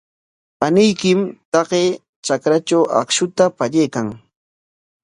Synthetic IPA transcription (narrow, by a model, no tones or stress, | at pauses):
panɪjkɪmt̪ɑɢeː | t͡ʃakɾat͡ʃawʔa̰kʃʊt̪apaʎejkaŋ